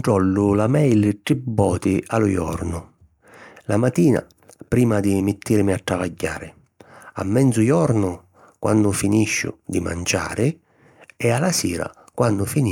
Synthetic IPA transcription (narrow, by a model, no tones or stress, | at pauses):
ʈɾɔlːʊlamɛjlʈ̪ɾibːɔːt̪ɪʔalʊjɔ̰ɾnʊ | lamat̪iːna̰ | pɾiːmad̪imɪt̪ːiɾmiat̪ːɾavaɟːa̰ːɾɪ | a̰mːɛnzʊjɔɾnʊ | kwa̰nːʊfiniʃːʊ̰d̪ima̰nd͡ʒa̰ːɾɪ | ɛalasiːɾa̰ | kwanːʊfin